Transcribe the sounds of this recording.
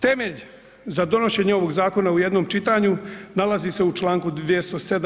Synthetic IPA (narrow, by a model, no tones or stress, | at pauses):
t̪e̞me̞ʎ | zad̪o̞no̞ʃe̞ɲeo̞ʋo̞ɡzaːko̞naujed̪nomt͡ʃit̪aɲunalazise̞ut͡ʃlaːŋkud̪ʋijest̪o̞sed̪